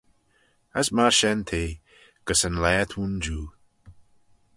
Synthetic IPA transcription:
asmaɹʃɛnt̪ʰeː | ɡ̥əsənlɛːt̪ʰund͡ʒuː

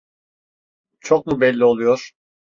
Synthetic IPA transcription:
t͡ʃʰok̚mubɛlʲːio̞lˠujoɾ̥

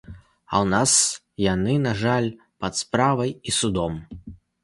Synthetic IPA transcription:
ɐ̰wnas | janɨnaʐalʲ | pɐt̪spɾavɐjisud̪ɔm

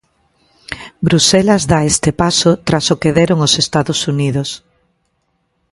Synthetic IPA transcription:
bɾuselazðaest̪epasot̪ɾasokeðeɾoŋosest̪aðosuniðos

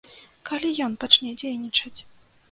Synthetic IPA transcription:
kalʲijɔnpat͡ʂnʲɛd͡zʲejnʲit͡ʂɐt͡sʲ

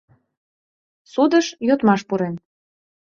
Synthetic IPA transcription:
sud̪əʃjot̪mɑʃpuɾen

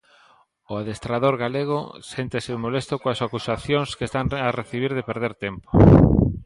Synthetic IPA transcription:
ʊaðest̪ɾaðoɾɣaleɣ̞o̰sent̪ɪsɪmolest̪ʊkoasakusaθjoŋskest̪aŋareθiβ̞iɾðepeɾð̞eɾt̪empo̥

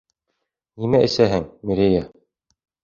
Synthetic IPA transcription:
nimæʔɘ̆sæɦɘŋmiɾʲeja

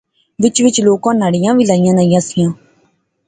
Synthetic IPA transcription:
ʋɪt͡ʃʋɪt͡ʃloːkãːnaːɽɪjãːʋiːlaːɪjãːnaːijãːsɪjãː

